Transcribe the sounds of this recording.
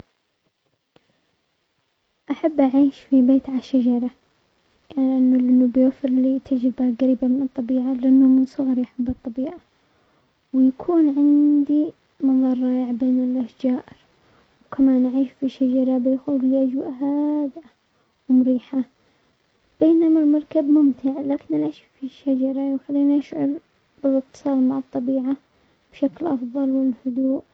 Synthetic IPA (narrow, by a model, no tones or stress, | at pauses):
ʔaħabːʔaʕiːʃfibeːt̪ʕaaʃad͡ʒɑɾˤɑ | anʔɪnːʊlʔɪnːubɪjafɪɾlit̪ʰɪd͡ʒɪbaɣaɾiːbamɪnɨt̪ˤːɑbiːʕalɪʔanːʊmɪnsˤʊɣɑɾˤjaħabːɨt̪ˤːɑbiːʕa | wjakʰuːnʕɪnd̪i | mɑðˤɑːrˤɑːjɪʕbeːnɪlʔahd͡ʒaːʔɪɾ | wkʰamaːnʔʕiːʃfiʃːad͡ʒɑɾˤɑbɪxʊfiʔad͡ʒwʔɦaːd̪ʔa | wmʊɾiːħa | b̥eːnamalmɑɾˤkabmʊmt̪ɪʕlaːkɪnʔaʕaʃfiʃːad͡ʒɑɾˤɑjxalːiːnʔaʃʕʊɾ | b̥ɪlɪk̚t̪ɨ̥sˤɑːlmaʕɑt̪ˤːɑbiːʕa | b̥ʃaklʔɑfðˤɑlwɪlhʊd̪uːʔ